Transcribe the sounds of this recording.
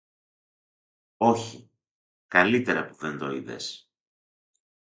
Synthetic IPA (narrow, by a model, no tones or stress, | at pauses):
o̞çi | kɐlit̪e̞ɾɐpuðe̞nd̪oiðe̞̰s